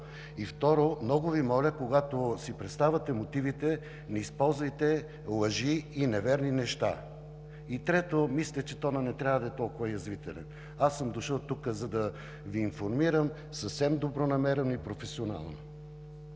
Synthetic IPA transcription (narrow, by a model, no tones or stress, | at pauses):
ift̪ɔɾomnɔɡʊvimɔlʲəkoɡat̪osipɾɛt̪st̪avət̪ɛmot̪ivit̪ɛ | nɛispɔlˠzvɐjt̪ɛ | lˠɐʒiːnɛvɛɾninɛʃt̪a̰ | it̪ɾɛt̪omislʲət͡ʃɛt̪ɔnɐnɛt̪ɾʲavəd̪ɐɛt̪ɔlˠkʊvɐjɐzvit̪ɛ̰lɛ̰n | asːəmd̪oʃɤlˠt̪ukəzɐd̪ɐ | viːnfoɾmiɾəm | səfsɛmd̪obɾonɐmɛɾɛnoipɾofɛsiona̰lˠno